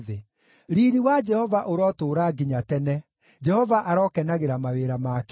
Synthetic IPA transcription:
e | ɾiɾiwad͡ʒɛhɔvaʔoɾɔtoːɾaɡiɲatɛnɛ | d͡ʒɛhɔvaʔaɾɔkɛnaɣeɾamaweɾamaːk

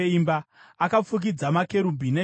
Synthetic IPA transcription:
imbaːkap͡fuk̬id͡zamake̞ɾumbʱine

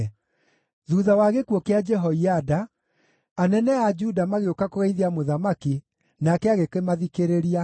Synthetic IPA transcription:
ðuðawaɣekwɔkead͡ʒɛɦɔiadaː | nɛnɛad͡ʒudamaɣeokakoɣaiðeamoðamaki | nakɛaɣekemaðikeɾeɾia

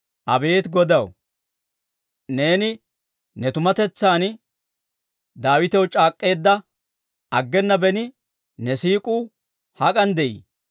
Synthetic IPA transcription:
ʔɐbe̞ːt̪ɡɔd̪ɐw | ne̞ːnɪ | nɛt̪ʊmɐt̪ɛt͡sːaːn | d̪aːwɪt̪ɛwt͡ʃʼaːkʼːe̞ːd̪ːɐ | ɐɡːɛnːɐbɛnɪ | nɛsiːkʼuː | hɐkʼɐnd̪ɛʔḭː

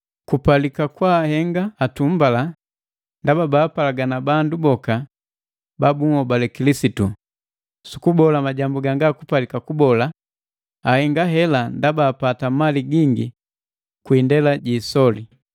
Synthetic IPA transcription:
kupalikakwaːhɛŋɡaːtumbala | ndababaːpalaɡanabandubɔka | babuŋɔbalɛkilisitu | su̥kubɔlamaɟambuɡaŋɡakupalikakubɔla | ahɛŋɡaɦɛlandabaːpatamaliɡiŋɡḭ | kwiːndɛlaɟiːsɔli

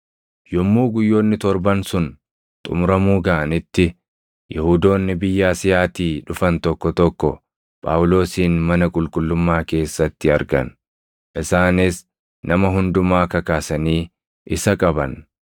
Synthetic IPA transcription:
jɔmːuːɡʊjːo̞ːnːɪt̪ɔɾbɐnsʊn | t̪ʼʊ̰mʊɾɐmuːɡɐʔɐnɪt̪ːɪ | jɛhʊd̪o̞ːnːɪbɪjːaːsɪjaːt̪iːᶑʊfɐnt̪ɔkːɔt̪ɔkːɔ̰ | pʼa̰ːwʊlo̞ːsiːnmɐnɐkʼʊlkʼʊlːʊmːaːke̞ːsːɐt̪ːɪɐɾɡɐ̰n | ʔɪsaːnɪs | nʔɐmɐɦʊnd̪ʊmaːkɐkaːsɐniː | ʔɪsɐkʼɐbɐn

